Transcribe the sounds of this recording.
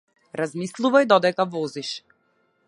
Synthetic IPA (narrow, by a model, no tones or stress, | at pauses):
ɾazmislˠuvajd̪ɔd̪ɛkavɔziʃ